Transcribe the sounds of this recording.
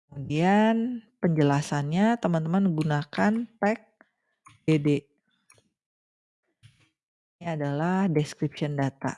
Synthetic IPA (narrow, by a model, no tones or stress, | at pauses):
kkəmudianpəɲd͡ʒəlasanɲat̪əmant̪əmanɡunakanpɛk̚ | bede | niadalahdɛskɾipsiɔndat̪a̰